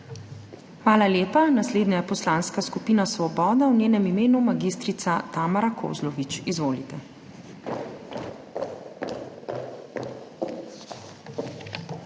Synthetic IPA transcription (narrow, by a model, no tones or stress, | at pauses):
xʋaːlaljeːpanasleːd̪nɲajɛpɔslaːnskaskupiːnasʋɔbɔːd̪awnʲjeːnɛmimeːnumaɡiːst̪ɾit̪sat̪aːmaɾakʰo̰zlɔʋit͡ʃizʋoːlit̪ɛ